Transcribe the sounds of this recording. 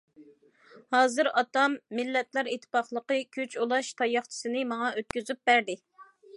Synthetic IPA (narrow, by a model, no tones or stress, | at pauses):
hɑːzɨɾɑt̪ɑmːɪlːɛt̪lˠɑɾet̪ʰːɪ̥pɑχlˠəqəkʲʰøt͡ʃʰulˠɑʃt̪ʰɑjɑχt͡ʃʰi̥sɨnɨmɑŋɑøt̪̚kʲyzyp̚bæɾd̪ɪ